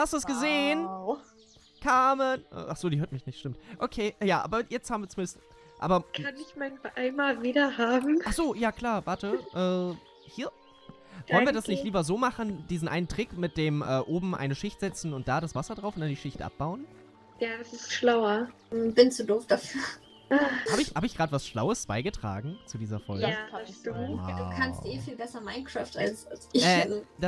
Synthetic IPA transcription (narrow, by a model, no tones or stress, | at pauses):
hastduɛsɡ̥əzeːən | kʰaːmənʔɛ̰ːʔaχz̥oːdiɦøːɐtmɪçnɪçtʃtɪmtʔokʰeːjaːʔa̰ːbɐjɛt͡stʰhaːbmviɐt͡sʊmɪnəst | ʔa̰ːbɐkʰanɪçmaɪnbʔaɪnmaːlviːɾɐhaːbm̩aχsz̥oːjaːkl̥aːɐvaɐtəʔɛː | hiːɐ | vɔlnnviɐdasnɪçtliːbɐzoːmaχn̩d̥iːzn̩ʔa̰ɪnəntʁ̥ɪkmɪt̚d̥eːmʔɛːʔoːbm̩ʔa̰ɪnəʃɪçtz̥ɛt͡sn̩ʊnt̚d̥aːɾasv̥asɐdʁaʊfʊntd̥andiːʃɪçtʔa̰p̚b̥aʊən | jaːɛsɪstʃlaʊɐ | b̥ɪnt͡sudoːfd̥afyːɐ | haːbɪçhaːbəɪçɡ̥ʁaːdəvasʃlaʊəsb̥aɪɡətʁ̥a̰ːɡŋ̩t͡sudiːzɐfɔlɡəad̥ua̰d̥ukʰansttʔeːfiːlbɛsɐmaɪnkʁ̥aːfta̰lsasɪçɛːd̥a